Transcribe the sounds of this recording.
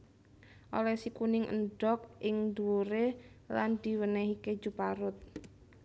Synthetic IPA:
ʔo̰lɛsikunɪŋʔə̰nɖɔk̚ʔɪŋd̪uluɾe | land̪̥i̤wənəɦike̥d͡ʒupaɾʊt̪̚

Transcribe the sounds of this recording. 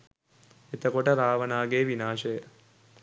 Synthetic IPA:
et̪əkoʈəɾaːʋənaːɡeːʋinaːʃəjə

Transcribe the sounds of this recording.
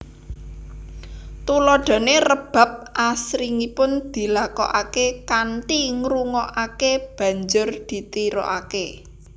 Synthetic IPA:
t̪ulɔɖ̥a̤nerəb̥a̤p̚ʔasɾiŋipʊnd̪̥i̤lakɔ̰ʔakekanʈiŋɾuŋɔʔakeb̥ä̤ɲd͡ʒʊrd̪̥i̤t̪iɾɔ̰ʔake

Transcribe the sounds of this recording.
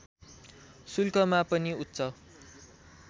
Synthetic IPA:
sulkʌmapʌniut̪ːsʰʌ

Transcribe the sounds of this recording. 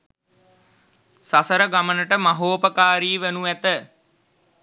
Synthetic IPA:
sasəɾəɡamənəʈəmaɦoːpəkaːɾiːʋenuʋæt̪ə

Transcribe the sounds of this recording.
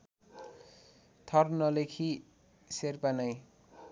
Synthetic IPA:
t̪ʰʌrnʌlekʰi | serpanʌj

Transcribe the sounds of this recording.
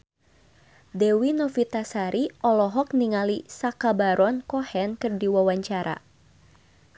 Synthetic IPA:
dɛwinɔfit̪asaɾiʔɔlɔɦɔk̚niŋalisakabaɾɔnkɔhɛnkɨrdiwawaɲt͡ʃaɾa̰

